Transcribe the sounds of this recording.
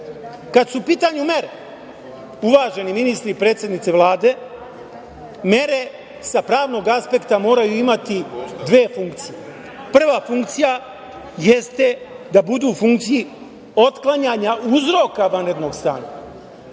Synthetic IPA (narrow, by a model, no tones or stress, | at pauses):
kad̪supiːt̪aɲume̞ɾe | uʋaːʒe̞niminist̪ɾipɾet̪sʲje̞d̪nit̪se̞ʋlˠaːd̪e̞ | me̞ɾe̞ | sapɾaːʋno̞ɡaspe̞kt̪amo̞ːɾajuimat̪id̪ʋe̞ːfuŋkt̪sije | pr̩ʋafuŋkt̪sija | jest̪e̞d̪abud̪uːfuŋkt̪siji | o̞t̪klˠaɲaɲauzɾo̞kaʋanɾe̞d̪no̞ɡst̪a̰ːɲa̰